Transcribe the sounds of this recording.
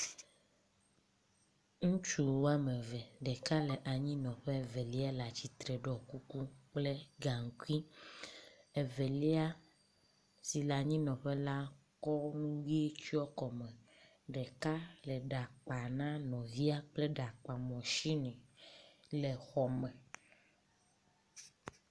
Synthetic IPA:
ŋũ˦t͡ʃu˦wo˦a˦mẽ˨vɛ˨ɖɛ˨ka˦le˨ʔa˨ɲĩ˦nɔ̃˨ɸe˦ve˨li˦a˦la˨t͡ɕi˦t̪ɾɛ˨ɖɔ˨ku˦ku˦k͡ple˦ɡa˨ŋ˨ku˦i˦ | e˨ve˨li˦a˦ | si˨la˨ɲĩ˦nɔ̃˨ɸe˦la˦ | kɔ˦nũ˦wi˦e˦t͡ʃi˦ɔ˦kɔ˨mɛ̃˨ | ɖɛ˨ka˦lɛ˨ɖa˨k͡pa˨nã˦nɔ̃˨vi˦a˦k͡plɛ˦ɖa˨k͡pa˨mɔ̃˨ʃi˦nɛ̃˨ | le˨xɔ˨mɛ̃˨

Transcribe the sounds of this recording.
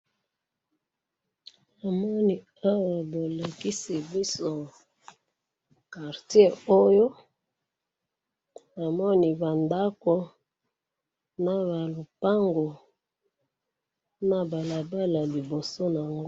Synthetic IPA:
a˨mɔ˦ni˨ | a˦wa˨bo˨la˨ki˦si˨bi˦so˨ | ka˨ʁtje˦o˦jo˦ | a˨mɔ˦ni˨ba˨nda˦ko˦ | na˦βa˨lu˨pa˦ŋɡo˨ | na˨ba˨la˨ba˦la˨li˨bo˨so˦na˨ŋɡ

